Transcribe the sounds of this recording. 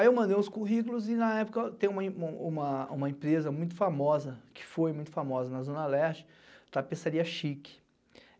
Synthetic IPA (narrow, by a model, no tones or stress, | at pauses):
iewmɐ̃nd̪ejũskuɦikʊlʊzɪnɐɛpʊkɐt̪ẽj̃umɐĩũmɐũmɐẽpɾezɐmũj̃t̪̬ʊ̥famɔzɐkɪ̥fojmũj̃t̪ʊ̥famɔzɐnɐzõnɐlɛɾt͡ʃɪ̥ | t̪apesaɾiɐʃikɪ̥